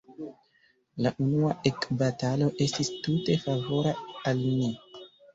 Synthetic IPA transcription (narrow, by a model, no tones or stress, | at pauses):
laʔunuae̞kbatalo̞ʔe̞stistute̞favo̞ɾaalmi